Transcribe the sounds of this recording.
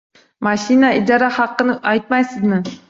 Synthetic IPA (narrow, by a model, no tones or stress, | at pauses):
mɑʃinaid̪ɑɾɑhɑqːɨnɪʔɑjt̪̚mɑjsɪzmɪ